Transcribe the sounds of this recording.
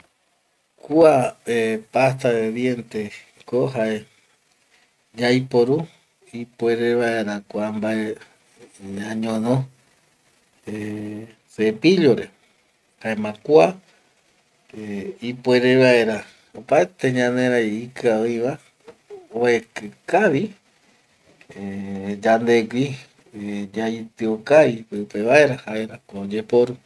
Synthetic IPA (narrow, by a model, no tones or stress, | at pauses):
kuaepast̪aɾeβjent̪e | koɦae | d͡ʒajpoɾu | ipweɾeβaeɾakʷambae | ɲãɲõnõ | e | sepiʎoɾe | haemãkua | eipweɾeβaeɾa | opaet̪eɲãnẽɾaiikɨaoiβa | oekɨkaʋi | ed͡ʒand̪e̞ɡʷi | d͡ʒait̪ɨokaipɨpeβaeɾahaeɾakod͡ʒe̞poɾu